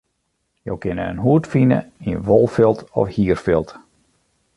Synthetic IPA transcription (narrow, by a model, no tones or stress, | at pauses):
jo̰wkɪnəə̰nɦuətfinə̰iəʋolˠfɪlˠtɔ̰fhiərfɪlˠt